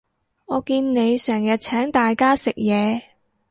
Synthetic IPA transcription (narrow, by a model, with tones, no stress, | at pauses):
ŋɔː˨˧kiː˧nne˨˧jsɛː˨˩ŋjɐ˨t̚t͡sʰɛː˨˥ŋt̪aː˨jkaː˥sɪ˨k̚jɛː˨˧